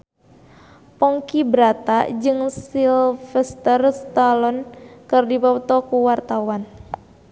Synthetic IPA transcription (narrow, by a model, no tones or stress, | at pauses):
pɔŋkibɾat̪ad͡ʒɨŋsilfɛst̪ərst̪alɔnkɨrdipɔt̪ɔkuwart̪awan